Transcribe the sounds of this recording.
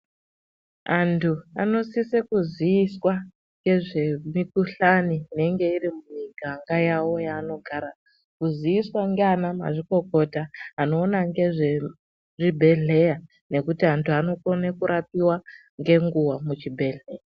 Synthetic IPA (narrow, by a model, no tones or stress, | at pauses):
antʰua̰no̞sisekuzwiːswa | ŋɡe̞ʐe̞mikuɬaniːne̞ŋɡe̞irimumiɡʱaŋɡajawo̞jaːno̞ɡʱaɾa | kuzwiiswaŋɡeanama̰ʐiko̞ko̞taːno̞ːnaŋɡe̞ʐe | ʐibʱe̞ɮe̞ja | ne̞kutiantʰuano̞konekuɾap̚iwa | ŋɡe̞ŋɡuwamut͡ʃibʱe̞ɮeːja